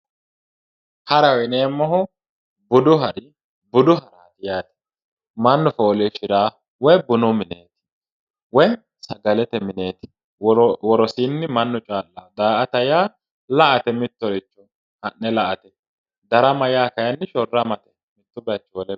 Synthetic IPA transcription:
hɐɾɐwɪneːmːɔɦʊ | bʊd̪ʊɦɐɾɪ | bʊd̪ʊɦɐɾaːt̪ɪjaːt̪ɪ̥ | mɐnːʊfoːleːʃɪɾaː | wɔjbʊnʊmɪneːt̪ɪ̥ | wɔj | sɐɡɐlɛt̪ɛmɪne̞ːt̪ɪ̥ | wɔɾɔsiːnːɪmɐnːʊt͡ʃʼaːlːaːd̪aːʔɐt̪ɐjaː | lɐʔɐt̪ɛmɪt̪ːɔɾɪt͡ʃːʊ | hɐnːɛlɐʔɐt̪ɛ | d̪ɐɾɐmɐjaːkɐjɐnːɪʃɔrːɐmɐt̪ɛ̥ | mɪt̪ːʊbɐt͡ʃːwɔlɛ

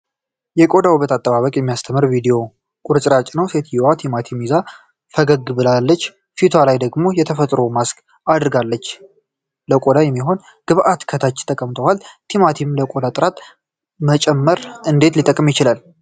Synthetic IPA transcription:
jɛkʼo̞d̪awuβət̪at̪ʼːəβaβəkʼjɛmːijast̪ʰəmɨɾvid̪eo̞ | kʼʊɾt͡ʃʼɾat͡ʃʼnəwset̪ʰjiwat̪ʰimat̪ʰimiza | fəɡəɡɨbɨlalːət͡ʃː | fit̪ʰalajd̪əɡmo̞jɛt̪ʰəfət̪ʼɾo̞maskʰ | ad̪ɾɡalːət͡ʃː | ləkʼo̞d̪ajɛmːiɦo̞n | ɡ̥ɨβʔat̪kʰət̪ʰat͡ʃːt̪ʰəkʼəmt̪ʰəwalt̪ʰimat̪ʰimləkʼo̞d̪at̪ʼɨɾat̪ | mət͡ʃʼɛmːəɾɨnd̪e̞t̪lit̪ʼːəkʼːɨmjɪt͡ʃɪlal

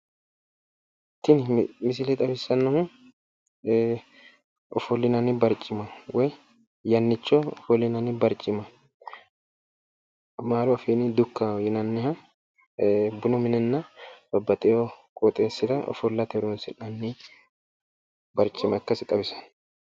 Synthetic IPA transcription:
ɪt̪ːɪnmɪs̬ɪlɛt̪ʼɐbɪsːɐnːɐhʊ | ɔfɔlːɪnɐnɪbɐɾt͡ʃʼːɪmɐwɔj | jɐnːɪt͡ʃːɔɔfɔlːɪnɐnɪbɐɾt͡ʃʼːɪmɐ | maːɾʊɐfeːnɪd̪ʊkːɐjɪnɐnːɪhɐ | bʊnɔmɪnɛnːɐb̥ɐbːɐt̪ʼɛjokʼɔt̪ʼeːsɪd̪ɐɔ̰fɔlːɐt̪ɛɾʊnsɪnɐnːɪ | bɐɾt͡ʃʼɪmɐkːɐsɪt̪ʼɐbɪsɐ̥n

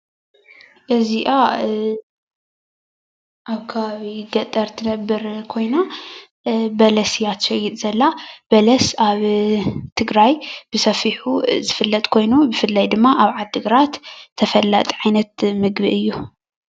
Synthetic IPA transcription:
ʔɨziʔa | ʔaβkʰɐβaβiɡɐt̪ʼːɐɾt̪ʰɨnɐbːɨɾkʰo̞jna | bɐlɐsjat̪ʃɛjit̪ʼz̥ɐlːab̥ɐlɐsaβt̪ʰɨɡɾajb̥ɨsɐfiħuzɨfɨlːɐt̪ʼkʰo̞jnubɨfɨlːajd̪ɨmːaʔaβʕad̪ɨɡɾat̪t̪ʰːɐfɐlːa̰t̪ʼʕajnɐt̪mɨɡbiʔɨjːu

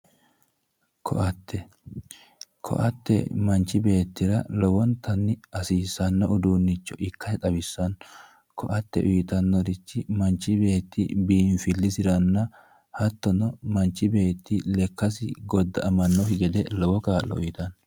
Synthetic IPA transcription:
kʰɔ̰ʔɐt̪ʰːɛ | kʰɔ̰ʔɐt̪ːɛ̰mɐnt͡ʃːɪbe̞ːt̪ːɪɾɐ̰lɔbɔnt̪ʰɐnːɪɐsiːsɐnːɐʊd̪unːɪt͡ʃːɔʔɪkːɐɛt̪ʼɐbɪsːɐn | kɔʔɐt̪ːɛ̰ʔʊjɪt̪ɐnːɔɾɪt͡ʃːɪmɐnt͡ʃːɪbe̞ːt̪ːɪ̰biːnfɪlːɪsɪɾɐnːɐ | hɐt̪ːɔnɔmɐnt͡ʃːɪbe̞ːt̪ːɪlɛkːɐs̬ɪɡɔd̪ːɐɐmɐnːɔhɪɡɛd̪ɛlɔbɔkaːlːɔ̰ʊjɪt̪ɐn

